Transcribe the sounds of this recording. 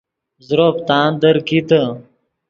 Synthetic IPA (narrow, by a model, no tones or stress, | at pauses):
zɾoːpt̪aːnd̪əɾkit̪ə